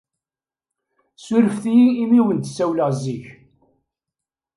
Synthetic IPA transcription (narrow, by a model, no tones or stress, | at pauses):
sʊɾəfθijiːmiwənt̪sːæwləʁzːiç